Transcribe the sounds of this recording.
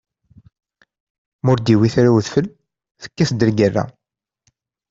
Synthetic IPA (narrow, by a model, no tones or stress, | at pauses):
mʊɾd̪iwiθɾæwðfəl | θə̥kːæsd̪əɾɡərːæ̰